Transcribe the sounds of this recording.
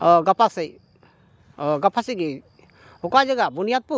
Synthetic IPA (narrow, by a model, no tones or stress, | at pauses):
ɡapʰasej | ɡapʰasɛɡe | ɔkajd͡ʒəɡabunijad̪̚pu